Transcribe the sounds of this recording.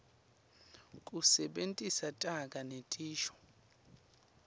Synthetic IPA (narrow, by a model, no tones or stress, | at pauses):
kʼusɛɓentʼisatʼakʼanetʼiːʃɔ̥